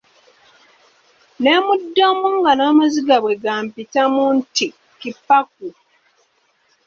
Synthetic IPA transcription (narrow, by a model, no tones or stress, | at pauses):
nemudːomuŋɡanaːmaziɡaβwe̞ɡaːmpitamunti | kipːak̚u